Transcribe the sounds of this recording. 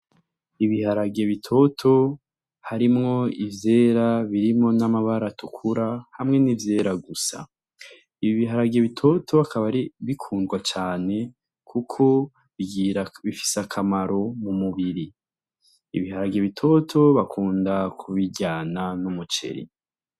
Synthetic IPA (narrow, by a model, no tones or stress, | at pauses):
iβihaɾaɡe̞βitʰo̞tʰo̞ | haɾimŋo̞ivjeːɾaβiɾimŋo̞namaβaɾatʰukʰuɾahamŋe̞nivje̞ːɾaɡusa̰ | iβiɦaɾaɡeβitʰo̞tʰo̞akaβaɾiβikʰuːndɡwat͡ʃaːne̞ | kʰukʰo̞ | βiɡiɾaβifi̥sakʰamaɾo̞mumuβiɾiː | βihaɾaɡeβitʰo̞tʰo̞βakʰuːndakʰuβiɟaːnanumut͡ʃe̞̰ɾḭ